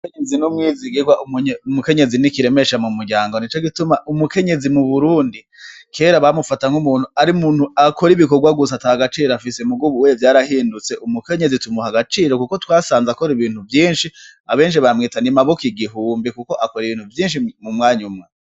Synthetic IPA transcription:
keɲezinumŋiːziɡiɡwaʔumɲumuke̞ɲe̞zinikiɾe̞me̞ʃamumuɾɟaːŋɡo̞nit͡ʃoɡitumaʔumuke̞ɲe̞zimuβuɾuːndi | kʰe̞ːɾaβamufataŋhumuːn̥huaɾiumuːnhuakʰo̞ɾiβiko̞ɾɡwaɡus̬atahaɡat͡ʃiːɾoafisemuɡuβuwevjaːɾahiːndut͡se̞ʔumuke̞ɲe̞zitumuhaɡat͡ʃiːɾo̞kuko̞twaːsaːnzako̞ɾiβiːnhuvjiːnʃi | aβe̞ːnʃ̬iβaɾamŋiːtanimaβokiɡiɦuːmbikuko̞ʔako̞ɾiβiːnhuvjiːnʃimumŋaːɲumŋa

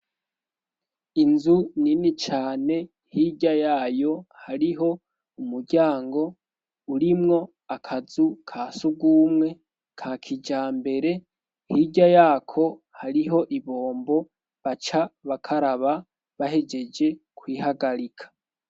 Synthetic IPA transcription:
inzuninit͡ʃaːne̞ | hiɟajaːjo̞haɾiɦo̞ | umuɾɟaːŋɡo̞ | uɾimŋo̞ | akʰazukʰaːsuɡuːmŋe̞ | kʰaːkʰid͡ʒaːmbe̞ɾe̞ | hiɟajaːkʰo̞ | haɾiɦo̞ʔiβo̞ːmbo̞ | βat͡ʃaβakʰaɾaβa | βaɦe̞d͡ʒe̞d͡ʒe̞ | kʰwiːhaɡaɾikʰḁ

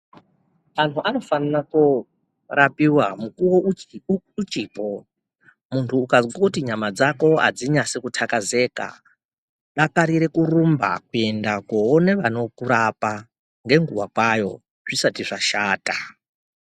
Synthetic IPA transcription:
antʰuʔano̞fananako | rapiwamukuwo | ut͡ʃiːpo | muntʰuːkazɡakutiɲamad͡zako̞a̰d͡ziɲasekutʰakaze̞ːka̰ | ɗakaɾiɾe̞kurumba̰kue̞ndakooneʋano̞kuɾapa | ŋɡe̞ŋɡuwakwajo̞̰ | ʐ̥isatiʐaʃaːta

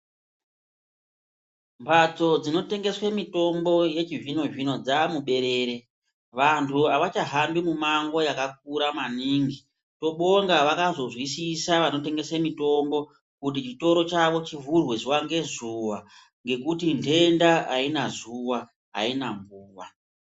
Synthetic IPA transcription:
mbat͡so̞d͡zino̞te̞ŋɡe̞swamito̞mbo̞je̞t͡ʃivino̞ʐino̞d͡zamuɓe̞ɾe̞ːɾe̞ | ʋantʰuaʋat͡ʃaɦambimumaŋɡo̞jakak̚uɾamaniːŋɡi | to̞ɓo̞ŋɡaʋakazo̞zwisisaʋano̞te̞ŋɡe̞swemito̞mbo̞ | kut̬it͡ʃito̞ɾo̞t͡ʃaʋo̞t͡ʃivurwezuwaŋɡe̞zuwa | ŋɡe̞kutintʰe̞ndaainazuwa | ɦa̰inambuːwa

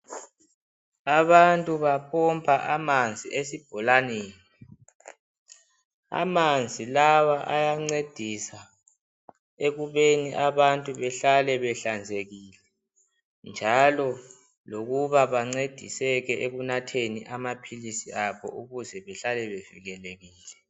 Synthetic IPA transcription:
aβantʼuβapʰɔmpʰʼaʔamand͡zʱiesib̥ʱɔlaneːni | a̰mand͡zʱilawaʔajaŋ͡ǀed̥ʱisa | eɣuβeniʔaβantʼuβɛɬalɛβɛɬand͡zʱeɣiːlɛ | nd͡ʒʱalɔ | loɣuβaβaŋ͡ǀed̥ʱḭsɛɣɛʔeɣunatʰeniʔamapʰilisiaβɔ̰ʔuɣuzɛβɛɬalɛβev̥ḭɣɛleɣiːlɛ

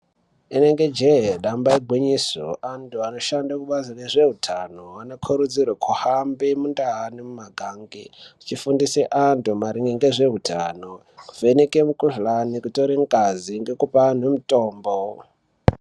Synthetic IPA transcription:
ine̞ŋɡe̞d͡ʒeɦeɗambaiɡʱwiɲiso̰ʔantʰuano̞ʃandakuɓazineʐe̞utʰanoanokʰoɾud͡zirwakʰuhambimundaɦanimumaɡʱaŋɡiut͡ʃifundiseʔantumaɾiŋɡeŋɡeʐe̞ɦutʰa̰no | kuvenekemukuʐlanikutoɾiŋɡaziŋɡe̞kupan̤emutoːmbo

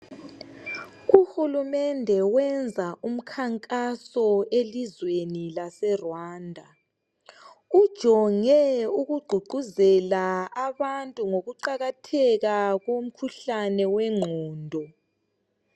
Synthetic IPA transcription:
uhulumɛndʱɛwɛnd͡zʱaʔum̩kʰaŋkʼasɔelizwenilasɛrwaːndʱa | ud̥ʒ̥ʱɔŋɛuɣuɡ͡ǃʱuɡ͡ǃʱuzɛlaaβantʼuŋoɣuǃaɣatʰɛɣaɣom̩kʰuɬanɛwɛŋ͡ǃʱɔːndʱɔ

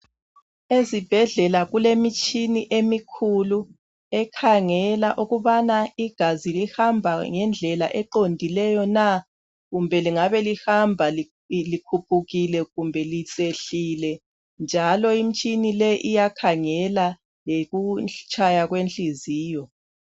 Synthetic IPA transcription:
ezib̥ʱɛɮɛlaɣulemit͡ʃʼʰiniʔemikʰulu | ɛkʰaŋɛlaʔuɣuβanaiɡ̥ʱazilihambʱaŋɛnd͡ɮʱɛla̰ʔɛǃondʱilɛjɔna | ɣumbʱɛliŋaβɛlihambʱal | likʰupʰuɣilɛɣumbʱɛlit͡sʼeɬilɛ | nd͡ʒʱalɔim̩t͡ʃʼinilɛʔijakʰaŋɛla | leɣut͡ʃʰʼajaɣwent͡ɬʼiziːjɔ

